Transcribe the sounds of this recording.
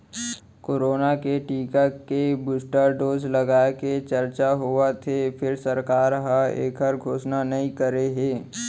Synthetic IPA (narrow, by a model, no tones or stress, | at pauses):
koːɾoːnakeʈiːkakebʊsʈəɾɖoːzlɐɡaːket͡ʃɐɾt͡ʃaɦuat̪ʰefʰɪɾsɐɾkaːɾɦãḛːkʰəɾɡʱoːʃnanɐɦĩkəɾeɦeː